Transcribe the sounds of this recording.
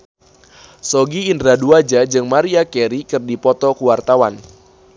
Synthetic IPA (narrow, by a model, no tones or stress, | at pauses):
sɔɡiːndɾaduad͡ʒad͡ʒɨŋmaɾiakɛɾikɨrdipɔt̪ɔkuwart̪awan